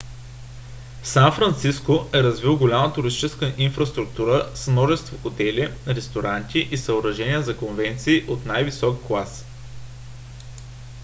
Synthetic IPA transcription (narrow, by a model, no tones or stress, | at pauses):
sanfɾɐnt̪siskoɛɾɐzvilˠɡolʲamət̪ʊɾist̪i̥t͡ʃɛskəʔinfɾɐst̪ɾukt̪uɾəsmnɔʒɛst̪voxot̪ɛlʲiɾɛst̪oɾant̪ʲiʔisɐoɾɐʒɛnʲiəzɐkonvɛnt̪siːʔot̪najvisɔkːlˠas